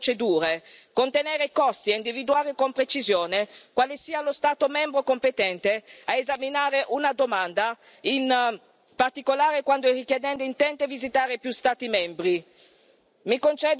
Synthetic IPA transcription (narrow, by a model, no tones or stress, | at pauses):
t͡ʃed̪uːɾekont̪enɛːɾekɔst̪ieind̪ivid̪uaːɾekompɾet͡ʃizjoːnekwaːlesiːalost̪aːt̪omɛmbɾokompet̪ɛnt̪eaezaminaːɾeʔunad̪omand̪a | in | part̪ikolaːɾekwand̪oɛrikjed̪ɛnd̪eint̪ɛnt̪evizit̪aːɾepjust̪aːt̪imɛmbɾi | mikont͡ʃɛd̪